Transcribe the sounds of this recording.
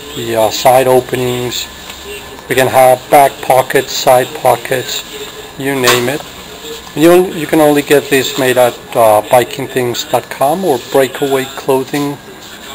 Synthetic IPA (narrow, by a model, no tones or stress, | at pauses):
ðɨsaɪɾoʊpɨnɪ̃ŋz̥ | wikɨ̃nəvbæk̚pʰɑkɨtsaɪd̚pʰɑkʰɨts | jɨnẽɪ̃mɪt̚ | ɨ̃njɨoʊ̃jɨkʰɨ̃nõʊ̃nliɡɛt̪̚ðizmeɪɾət̚b̥aɪkʰɪ̃ŋθɪ̃ŋz̥dɑt̚kʰɑ̃mə˞bɹeɪkʰəweɪkʰl̥oʊðɪ̃ŋ